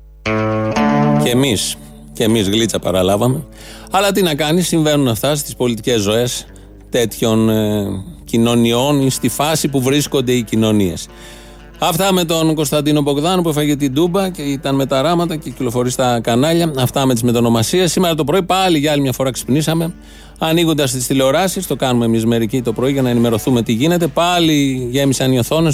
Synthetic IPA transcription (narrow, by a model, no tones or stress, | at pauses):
cemis | ce̞mizɣlit͡sɐpɐ̰ɾɐlɐvɐme̞ | ɐlɐt̪inɐkɐnisːiɱve̞nunɐft̪ɐst̪ispo̞lit̪ice̞zːo̞e̞s | t̪e̞t̪ço̞n | cino̞nio̞nist̪ifɐsipuvɾisko̞nd̪e̞icino̞nie̞s | ɐft̪ɐme̞t̪o̞nko̞st̪ɐnd̪ino̞bo̞ɣðɐnopuefɐʝet̪id̪ubɐce̞it̪ɐnme̞t̪ɐɾɐmɐt̪ɐcecilo̞fo̞ɾist̪ɐkɐnɐʎɐɐft̪ɐme̞t̪izme̞t̪ono̞mɐsiesːime̞ɾɐt̪o̞pɾo̞ipɐliʝɐɐlimɲɐfo̞ɾɐksi̥pnisɐme̞ | ɐniɣod̪ɐst̪ist̪ile̞o̞ɾɐsist̪o̞kɐnumemizme̞ɾicit̪o̞pɾo̞iʝɐnɐe̞nime̞ɾo̞θume̞t̪iʝine̞t̪e̞pɐliʝe̞misɐnio̞θo̞nes